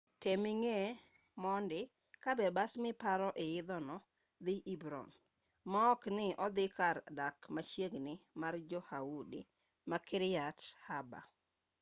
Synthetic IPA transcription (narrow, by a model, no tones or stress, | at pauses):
temiŋe | mɔndɪ | kabɛbasmɪpaɾɔʔeɪd̪ɔnɔ | d̪ɪʔibɾɔ̰n | mɔɔknɪɔd̪ɪkardakmat͡ʃjeɡnɪmard͡ʒɔhawudḭ | makɪɾɪjathaba̰